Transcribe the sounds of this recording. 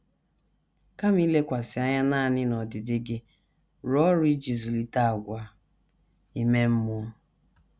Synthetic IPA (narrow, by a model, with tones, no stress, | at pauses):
ka˦m˦i˦le˦kʷa˨sɪ˨a˦ɲa˦na˦˨nɪ˦nɔ˨dɪ˨dɪ˦ɡɪ˦ | ɾɔ˦ɾʊ˦i˦d͡ʒi˨zu˨li˨ta˦a˨ɡʷa˨ | i˦me˦m̩˦mʊ˦